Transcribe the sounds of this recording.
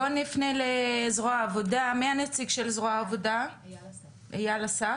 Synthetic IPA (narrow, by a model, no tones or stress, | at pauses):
onifnelezʁoaːvodameanet͡siɡʃelzʁoaːvoda | ejalasa